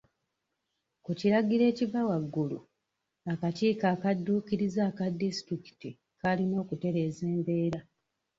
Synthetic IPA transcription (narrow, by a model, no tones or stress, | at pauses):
kuciɾaɡiɾe̞ːcivawaɡːulṵ | akatiːkaːkadːuːkiɾizaːkadːisi̥tɾiki̥ti | kalino̞ːkute̞ɾe̞ːze̞ːmbe̞ːɾa